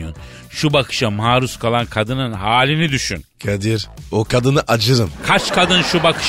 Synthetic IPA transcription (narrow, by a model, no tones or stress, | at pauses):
jon | ʃubakʰɯ̥ʃamaːɾuskʰalˠankʰad̪ɯnɯnɦaːlʲinid̪yʃy̰nkʰad̪iɾokʰad̪ɯnɯʔad͡ʒɯɾɯmkʰat͡ʃkʰad̪ɯnʃubakɯ̥ʃ